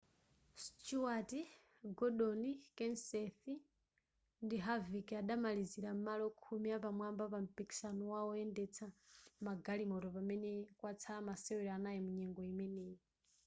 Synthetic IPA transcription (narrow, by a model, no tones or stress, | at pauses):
stt͡ʃuati | ɡɔɗɔnikɛnsɛθi | ndiɦavikiaɗamaliziɾam̩malɔkʰumiapamwambapam̩piki̥sanɔwaɔɛndɛt͡sʰamaɡalimɔɾɔpamɛnɛkwat͡sʰamasɛwɛɾɔanajɛmuɲɛŋɡɔimɛnɛjɛ